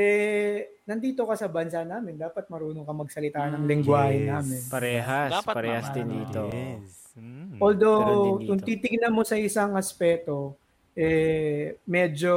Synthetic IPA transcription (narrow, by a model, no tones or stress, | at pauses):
ʔɛ | nɐnd̪iːt̪o̞kɐsɐbɐnsanaːmɪnd̪aːpɐt̪̚mɐɾuːnokɐmɐɡ̚sɐlɪt̪aːnɐŋlɪŋɡwaːhɛnaːmɪnpɐɾɛːɦapɐɾɛːhɐsd̪ɪnd̪ḭːt̪o | ʔold̪owkʊŋt̪iːt̪ɪɡnɐmo̞sɐɪsaŋɐspɛːt̪o̞ | ʔɛ | mɛːd͡ʒo̞